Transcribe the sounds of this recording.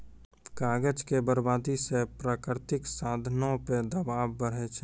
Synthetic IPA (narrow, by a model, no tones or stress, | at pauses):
kaːɡəd͡ʒkebəɾbaːd̪isepɾaːkɾt̪ɪksaːd̪ʱnõped̪əbaːʋbəɽ̤et͡ʃʰ